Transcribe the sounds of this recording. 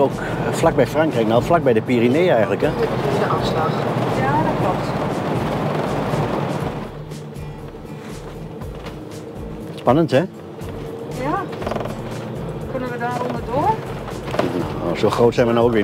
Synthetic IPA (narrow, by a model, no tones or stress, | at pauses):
ok | flak̚bɛjfraŋkrɛjk̚nawflak̚bɛjdəpirineːəɛjɣən̩ləkəidəʔafslɑxjaːdɔklɔp̚t | spanənthɛ | ja | kønəʋədaɾɔndədoə | o̰soːxroːtsɛjnʋənowokʋɪ